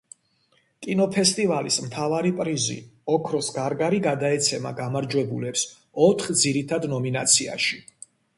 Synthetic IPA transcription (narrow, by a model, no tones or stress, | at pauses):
kʼinɔpʰɛst̪ʼivalismt̪ʰavaɾipʼɾizḭɔkʰɾɔsɡaɾɡaɾiɡad̪aɛt̪sʰɛma̰ɡamaɾd͡ʒwɛbulɛps | ɔt̪ʰχd̪ziɾit̪ʰad̪nɔmina̰t̪sʰia̰ʃi